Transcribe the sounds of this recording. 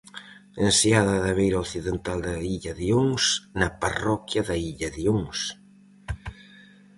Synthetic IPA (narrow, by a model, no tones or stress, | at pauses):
ensjaðɐðɐβejɾɐoθiðent̪ald̪ɐiʎɐðioŋsnɐparɔkjɐðɐiʎɐðioŋs